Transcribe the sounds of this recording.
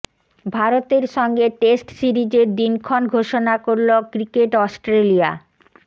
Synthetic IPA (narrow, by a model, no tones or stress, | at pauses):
bʱaɾot̪eɾʃɔŋɡeʈesʈsiɾid͡ʑeɾd̪inkʰonɡʱoʃonakoɾlokɾikeʈɔsʈɾelia̰